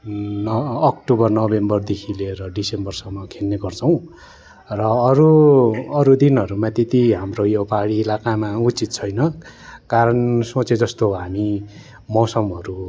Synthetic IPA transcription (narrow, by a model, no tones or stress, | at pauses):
nʌːkʈobʌrnʌbembʌrd̪ekʰileɾʌɖisembʌrsʌŋmːʌkʰelneɡʌrt͡sʰʌw̃ | rʌːɾuʌɾud̪inɦʌɾumãt̪et̪iɦamrojopaɽiːlakamaut͡sit̪̚t͡sʰʌjnʌkaɾʌnsot͡sed͡zʌst̪oɦami | mʌsʌmɦʌɾu